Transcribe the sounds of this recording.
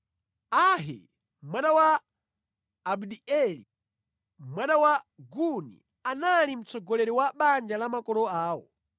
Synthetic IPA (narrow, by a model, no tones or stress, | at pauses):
aɦɛ̰ | mwanawa | bdiɛli | mwanawaɡunḭ | analim̩t͡sɔɡɔlɛɾiwaɓand͡ʒalamakɔlɔaːwɔ̰